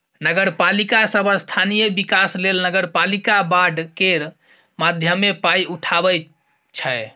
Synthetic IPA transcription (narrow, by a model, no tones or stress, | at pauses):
nəɡəɾpalikasəbʱəst̪ʰanijəbikaslelnəɡəɾpalikabaɖkeɾ | mad̪ʱjəmepaiuʈʰabɛ | t͡ʃʰɛ